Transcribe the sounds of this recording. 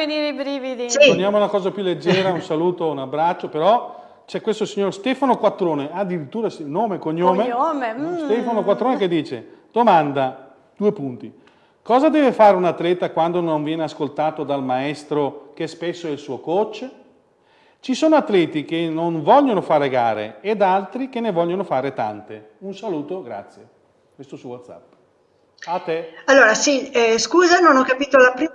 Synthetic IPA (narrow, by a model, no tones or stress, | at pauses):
eniːɾeibɾiːvid̪ist̪onjaːmounakɔːzapjulːed͡ʒːɛːɾaunsaluːt̪ounabɾat͡ʃːopeɾɔ | t͡ʃɛkwest̪osiɲːorst̪ɛːfanokwat̪ːɾoːnead̪ːiɾit̪ːuːɾasinoːmekoɲːoːmeomest̪ɛfanokwat̪ːɾoːneked̪ːiːt͡ʃḛd̪̥omand̪a | d̪̥uːepunt̪i | kɔːzad̪ɛːvefaːɾeunat̪ːlɛːt̪akwand̪onoɱvjɛːneaskolt̪aːt̪od̪almaɛst̪ɾok̟ɛspesːoɛilsuːokot͡ʃː | t͡ʃisoːnoat̪ːlɛːt̪ik̟enoɱvɔʎːonofaːɾeɡaːɾḛːd̪alt̪ɾik̟enːevɔʎːonofaːɾet̪a̰nt̪e | unsaluːt̪oɡɾa̰t̪sːje | kwest̪osuwot̪sa̰pː | at̪ːealːoːɾasiskuːzanonɔkːapiːt̪olapɾi